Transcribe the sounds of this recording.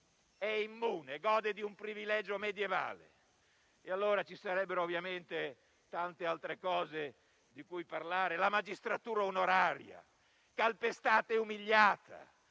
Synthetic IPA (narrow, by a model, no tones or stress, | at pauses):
ɛimːuːneɡɔːd̪ed̪iumpɾivilɛd͡ʒomed̪jeva̰ːlḛ | ealːoːɾat͡ʃisaɾɛbːeɾoːvːjament̪e | t̪ant̪ealt̪ɾekɔːze | d̪ikujparlaːɾelamad͡ʒist̪ɾat̪uːɾaonoɾaːɾja̰ | kalpest̪aːt̪eumiʎːaːt̪ʰa̰